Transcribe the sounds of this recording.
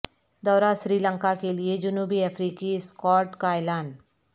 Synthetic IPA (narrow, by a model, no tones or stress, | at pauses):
d̪ɔːɾaʃɾiːlə̃ŋkakelied͡ʒʊnuːbiɐfʰɾiːkiskɔːʈkaeːlaːn